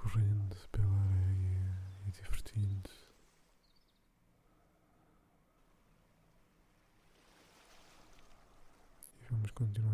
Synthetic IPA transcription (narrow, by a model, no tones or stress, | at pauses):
kuʁẽnd̪upelˠaɾɛjiðivɨɾt̪ʰĩnd̪u̥ | ivɐmuʃkõnt̪inw